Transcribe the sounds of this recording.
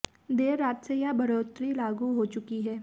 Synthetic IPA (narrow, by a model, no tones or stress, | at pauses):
d̪eːɾːaːt̪sejabɐɾoːt̪ɾilaːɡuɦot͡ʃʊkiɦɛː